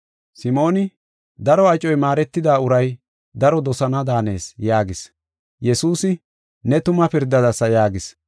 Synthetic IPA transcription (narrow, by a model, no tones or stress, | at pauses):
sɪmo̞ːnɪ | d̪ɐɾɔɐt͡ʃʼɔjmaːɾɛt̪ːɪd̪aːʊɾɐj | d̪ɐɾɔd̪ɔsɐnɐd̪aːne̞̰ːsjaːɡɪs | jɛsuːsɪ | nɛt̪ʊmɐpɪɾd̪ːɐd̪ɐsɐjaːɡɪs